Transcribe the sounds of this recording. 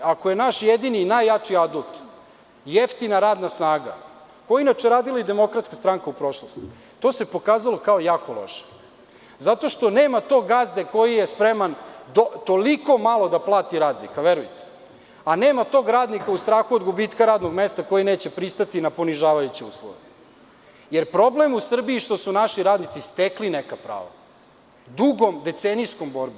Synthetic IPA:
akojenaʃjed̪ininajːat͡ʂiad̪ut̪ | jeft̪inaɾaːd̪nasnaːɡa̰ | kojeinat͡ʃeɾaːd̪ilaid̪e̞mo̞kɾat̪skast̪ɾaŋkaupɾo̞ʃlˠost̪i̥ | t̪o̞ːse̞po̞kaːzalˠo̞kaojaːkolo̞̰ʃe̥ | zat̪o̞ʃt̪o̞neːmat̪o̞ːɡazd̪eko̞jijespɾemand̪ot̪o̞liko̞malo̞d̪aplˠaːt̪iɾaːd̪nḭkaʋeɾujt̪e̥ | aneːmat̪o̞ːɡɾaːd̪nikaust̪ɾaːxuod̪ɡubiːt̪kaɾaːd̪no̞ɡme̞st̪ako̞jine̞ːt͡ɕe̞pɾist̪at̪inapo̞niʒaːʋajut͡ɕeṵːslˠo̰ʋḛ | jeɾpɾo̞ble̞musr̩biːʃt̪o̞sunaʃiɾaːd̪nit̪sist̪eklinekapɾa̰ːʋa̰ | d̪uɡo̞md̪e̞t̪senisko̞mbo̞ɾbo

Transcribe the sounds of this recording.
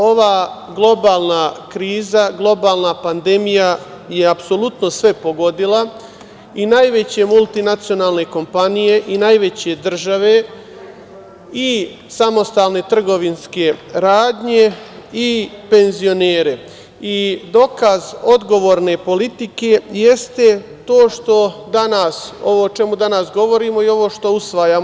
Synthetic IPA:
o̞ʋaːɡlˠo̞baːlˠnakɾiːzaɡlˠo̞baːlˠnapand̪e̞mija | je̞apso̞lut̪no̞sʋe̞po̞ɡo̞d̪ila | inajʋe̞t͡ɕe̞mulˠt̪inat̪sio̞naːlˠne̞ko̞mpanije̞ʔinajʋe̞t͡ɕe̞d̪r̩ʒaʋe̞ | i | samo̞st̪aːlne̞t̪r̩ɡo̞ʋinske̞ɾaːd̪ɲe̞ipe̞nzijo̞neːɾe̞ | id̪o̞kazo̞d̪ɡo̞ʋoːɾne̞po̞lit̪ike̞je̞st̪e̞t̪o̞ːʃt̪o̞d̪anaso̞ʋoːt͡ʃe̞mud̪anasɡo̞ʋo̞ɾiːmo̞io̞ʋo̞ːʃt̪o̞usʋajaː

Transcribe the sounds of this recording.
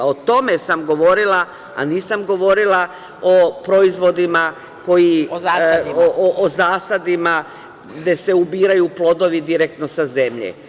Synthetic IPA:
ot̪o̞me̞samɡo̞ʋo̞ɾilˠa | a̰niːsamɡo̞ʋo̞ɾilˠa | o̞pɾo̞izʋo̞d̪ima | ko̞ji | ʔoʔozaːsad̪ima | ɡd̪e̞se̞ubiːɾajuplˠo̞d̪o̞ʋid̪iɾek̚t̪no̞saze̞mʎḛ

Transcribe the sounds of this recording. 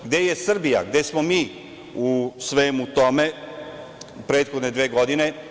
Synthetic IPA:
ɡd̪ejesr̩bija̰ɡd̪esmomiː | usʋeːmut̪o̞me̞ | pɾe̞ːt̪xo̞d̪ne̞d̪ʋeːɡo̞d̪ine̞

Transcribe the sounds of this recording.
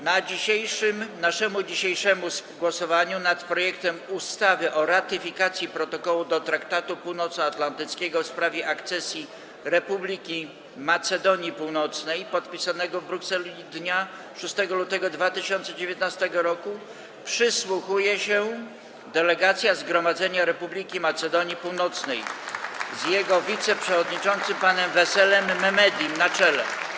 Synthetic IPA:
nad͡ʑiɕejʂɘmnaʂɛmud͡ʑiɕejʂɛmusɡwɔsɔvaɲunat̪pɾɔjɛkt̪ɛmust̪avɘʔɔɾat̪ɘfʲikat̪sʲjipɾɔt̪ɔkɔwud̪ɔt̪ɾakt̪at̪upuwnɔt̪sat̪lant̪ɘt̪skʲɛɡɔfspɾavʲjɛʔakt̪sɛsʲji | ɾɛpublʲikʲi | mat̪sɛd̪ɔɲipuwnɔt̪snɛjpɔt̪pʲisanɛɡɔvbɾuksɛlʲid̪ɲa | ʂust̪ɛɡɔlut̪ɛɡɔd̪vat̪ɘɕɔnt̪sɛd͡ʑevʲjɛt̪̚nast̪ɛɡɔɾɔku | pʂɘswuxujɛɕɛ | d̪ɛlɛɡat̪sʲjazɡɾɔmad̪zɛɲaɾɛpublʲikʲimat̪sɛd̪ɔɲipuwnɔt̪snɛj | zjɛɡɔvʲit̪sɛpʂɛvɔd̪ɲit͡ʂɔnt̪sɘmpanɛmvɛsɛlɛmːɛmɛd̪ʲjimnat͡ʂɛlɛ

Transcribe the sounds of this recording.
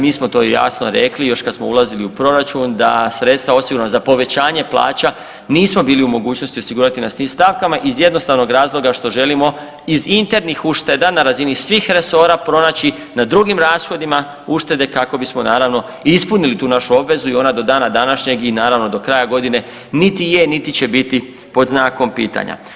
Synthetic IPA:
miːsmot̪o̞ːjeja̰snoɾe̞klijo̞ʃkad̪smoulˠaziliupɾo̞ɾat͡ʃund̪a̰sɾe̞t̪st̪ʋao̞siɡuɾnazapo̞ʋe̞t͡ɕaːɲe̞plˠa̰ːt͡ɕa | niːsmo̞biːliumo̞ɡuːt͡ɕno̞st̪io̞siɡuːɾat̪inasniːmst̪aʋkamaʔizje̞d̪no̞st̪aʋno̞ɡɾaːzlˠo̞ɡaʃt̪o̞ʒe̞limo̞ | izint̪e̞ɾnixuʃt̪e̞d̪anaɾazinisʋiːxɾe̞so̞ɾapɾo̞naːt͡ɕi | nad̪ɾuɡimɾaːsxo̞d̪ima | uʃt̪e̞d̪e̞kako̞bismo̞naːɾaʋno̞ | ispunilit̪uːnaʃuo̞bʋe̞zuionad̪o̞d̪aːnad̪anaʃɲe̞ɡinaːɾaʋno̞d̪o̞kɾaːjaɡo̞d̪ine̞ | nit̪ijenit̪it͡ɕe̞bit̪i | po̞d̪znaːko̞mpḭːt̪a̰ɲa̰

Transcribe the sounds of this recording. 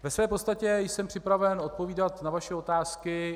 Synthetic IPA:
vɛsvɛːpost̪acɛjsɛmpr̥ɪpɾavɛno̞t̪̚poviːdat̪navaʃɛo̞t̪aːskɪ

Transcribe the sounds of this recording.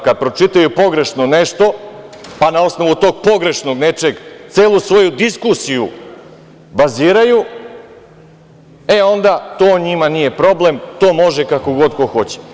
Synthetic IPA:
kad̪̚pɾo̞t͡ʂit̪ajupo̞ɡɾe̞ʃnone̞ʃt̪o̞panao̞sno̞ʋut̪o̞ːɡ̚po̞ɡɾe̞ʃno̞ɡne̞t͡ʃe̞ɡt̪seːlˠusʋo̞jud̪iskusiju | baziːɾaju | e̞o̞nd̪at̪o̞ːɲimanije̞pɾo̞ble̞mt̪o̞ːmo̞ʒekako̞ɡo̞d̪ko̞xo̞t͡ɕe̥

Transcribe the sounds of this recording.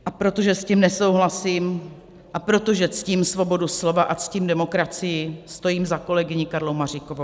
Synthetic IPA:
ʔapɾo̞t̪o̞ʒɛscimnɛso̞wɦlasiːm | ʔapɾo̞t̪o̞ʒɛt͡sciːmsvo̞bo̞duslo̞vaʔat͡sciːmdɛmo̞kɾat͡sɪjɪst̪o̞jiːmzako̞lɛɡɪɲɪkaɾlowmar̝ikovow

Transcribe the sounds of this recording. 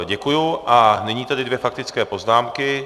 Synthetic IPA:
ɟɛkujuʔanɛɲiːt̪adɪdvjɛfak̚t̪ɪt͡skɛːpo̞znaːmkɪ

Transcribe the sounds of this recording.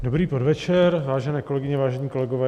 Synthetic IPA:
dobɾiːpodvɛt͡ʃɛɾvaːʒɛnɛːko̞lɛɡɪɲɛvaːʒɛɲiːko̞lɛɡovɛː

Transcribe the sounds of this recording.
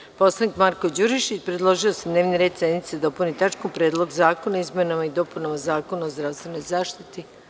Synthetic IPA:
po̞slˠanikmaɾkod͡ʑuɾiʃit͡ɕpɾed̪lˠo̞ʒiosed̪ne̞ːʋniɾed̪sed̪nit̪sed̪opunit̪at͡ʃkompɾe̞ːd̪lˠo̞ɡzaːko̞naizmʲenamaid̪o̞punamazaːkonaozd̪ɾaʋst̪ʋe̞no̞jzaːʃt̪it̪i

